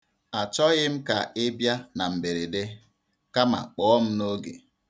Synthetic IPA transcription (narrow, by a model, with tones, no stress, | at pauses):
a˨t͡ʃɔ˦ɣɪ˦m̩˦ka̰˨ɪ˦bja˦na˨m̩˨be˨ɾe˨de˦ | ka˦ma̰˨k͡pɔ˨ɔ˦m̩˦no˦ɡḛ˨